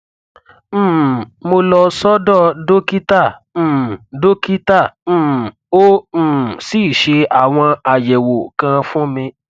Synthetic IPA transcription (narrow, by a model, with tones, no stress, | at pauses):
mo˧lɔ˧sɔ˦dɔ˦˨do˦ki˦tã˦˨˦ | do˦ki˦tã˦˨˦ | õ˦˨ | si˦˨ʃe˧a˨w̃ɔ̃˧a˨jɛ˨wo˨kã˧fũ˦mĩ˧